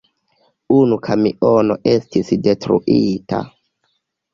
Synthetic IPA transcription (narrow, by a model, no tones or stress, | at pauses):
unukʰamiʔono̞ʔe̞stisdetɾṵʔita̰